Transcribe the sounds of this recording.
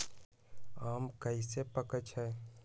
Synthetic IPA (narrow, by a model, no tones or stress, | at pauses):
aːmkəisepəkət͡ʃɦɛː